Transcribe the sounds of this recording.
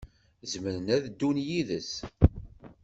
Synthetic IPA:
zməɾənæðd̪ːunjiðəs

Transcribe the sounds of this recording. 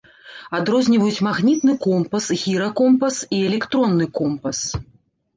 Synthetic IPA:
ad̪ɾɔzʲnʲivɐjut͡sʲmaɣnʲit̪nɨkɔmpɐsɣʲiɾɐkɔmpɐsiɛlʲɛkt̪ɾɔnːɨkɔmpɐs

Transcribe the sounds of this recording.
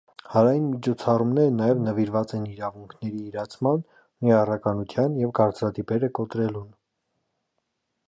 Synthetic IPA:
hɑɾɑjinmit͡ʃʰɔt͡sʰɑrumnɛɾənɑjɛvnəviɾvɑt͡sɛniɾɑvuŋkʰnɛɾiːɾɑt͡sʰmɑn | niɑrɑkɑnut̪ʰjɑnjɛvɡɑɾt͡sɾɑt̪ipɛɾəkɔt̪ɾɛlun

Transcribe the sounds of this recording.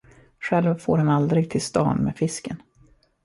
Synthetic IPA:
ɧɛlvfo̰ːɾhanald̪ɾɪɡ̚t̪ʰɪlst̪ɑ̰ːnmḛːfɪskən

